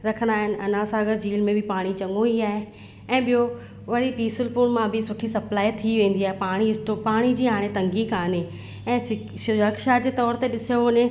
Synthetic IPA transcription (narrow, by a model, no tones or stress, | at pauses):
ɾɐkʰə̃nd̪aːɦɪnɪ̆ʔɐnãsaːɡəɾd͡ʑiːlmẽbʱɪpaːɽ̃it͡ɕɐ̃ŋɡoiaːɦe | ɛ̃ːɓijo | ʋɐɾipiːsɪlpʊɽmãbʱɪsʊʈʰisɐplaːit̪ʰiʋẽːn̆d̪iaːɦepaːɽ̃iɪsʈopaːɽ̃id͡ʑiːɦaːɽ̃et̪ɐ̃ŋɡikaːne | ɛ̃ːsɪ | ʃʊɾəkʃad͡ʑeːt̪ɔːɾt̪eɗɪsijonẽ